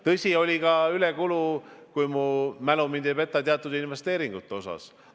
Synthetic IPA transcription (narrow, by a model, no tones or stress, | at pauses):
t̪ɤsʲio̞lʲikɑylekulukujmumænumind̪̥eve̞t̪ˑːɑt̪eɑt̪ːˑud̪inve̞st̪e̞ːɾiŋɡ̥ut̪ːˑo̞sɑ̰s